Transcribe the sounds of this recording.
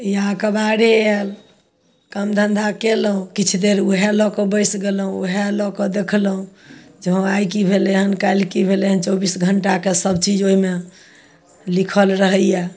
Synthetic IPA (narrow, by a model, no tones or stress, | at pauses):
jakəbaɽeel | kəmd̪ʱənd̪ʱakelɦũkit͡ʃʰd̪eɾuɦelɔkɔbəɪsɡelɦũṵɦelɔkɔd̪ekʰlɦũd͡ʒəɦɔ̃ajkibʱeleɦənkalkibʱeleɦənt͡ʃɔbisɡʱəɳʈakesəb̚t͡ʃid͡ʒoɦime | likʰəlɾəɦəja